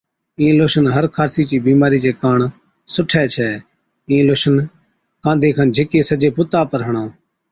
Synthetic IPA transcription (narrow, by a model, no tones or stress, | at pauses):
ĩːloːʃənɦəɾkʰaːɾsiːt͡ʃiːbiːmaːɾiːd͡ʒeːkaːɳ | sʊʈʰːɛːt͡ʃʰɛː | ĩːloːʃən | kãːd̪ʱeːkʰənd͡ʒʱeːkeːsəd͡ʒeːpʊt̪aːpəɾɦəɳãː